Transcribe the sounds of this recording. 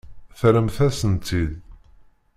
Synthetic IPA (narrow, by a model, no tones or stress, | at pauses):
θɾəmθæsənt̪id̪